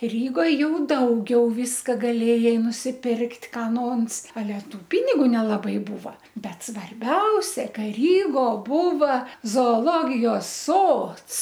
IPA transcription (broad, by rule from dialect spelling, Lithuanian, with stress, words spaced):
ˈrʲiːɡoːj ˈjɛʊ ˈdɐʊɡʲɛʊ ˈʋʲiːskɐ ɡɐˈlʲeːjɛɪ nʊsʲɪˈpʲɪrktʲ ˈkɑː ˈnoːns ɐˈlʲɛ ˈtuː ˈpʲɪnʲɪɡʊ nʲɛlˠɐˈbɐɪ ˈbuːʋɐ ˈbʲɛt sʋɐrʲˈbʲɛʊsʲɛ ˈkɐ ˈrʲiːɡoː ˈbuːʋɐ zoːoːˈlˠoːɡʲɪjoːs ˈsoːts